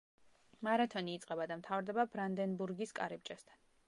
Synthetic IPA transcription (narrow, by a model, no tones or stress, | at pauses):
maɾat̪ʰɔniːt̪sʼqʼɛbad̪amt̪ʰavɾd̪ɛbabɾand̪ɛnbuɾɡiskʼa̰ɾip̚t͡ʃʼɛst̪ʰan